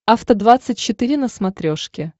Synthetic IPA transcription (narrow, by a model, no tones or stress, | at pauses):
aft̪əd̪vat̪sɨt̚ʲt͡ɕɪt̪ɨɾʲɪnəsmɐt̪ɾʲoʂkʲɪ